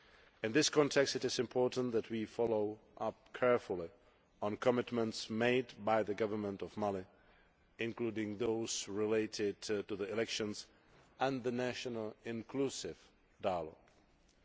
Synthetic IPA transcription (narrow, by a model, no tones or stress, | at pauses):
ɪ̃nðɪskʰɔ̃ntʰɛkstɨtɪzɪ̃mpʰɔɹtn̩ðætʰwifɔloʊʔʌp̚kʰɛɹfʊlˠɪ | ɔ̃nkʰɔmɪtmə̃ntsmeɪdbaɪðəɡʌvə˞mə̃ntɔvmalɪ | ɪ̃nkluːdɪ̃ŋðoʊz̥ɹɪleɪtɪd̚tuðiɪlɛkʃə̃ns | ʔɛ̃nðənæʃɔnəlɪ̃nkʰlusɪv̥ | daɪəlɔ̰ɡ̥